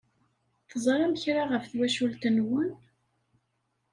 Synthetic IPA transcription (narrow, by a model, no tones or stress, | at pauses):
θzˤɾˤɑməçɾaʁəfθwæʃult̪ənwʊn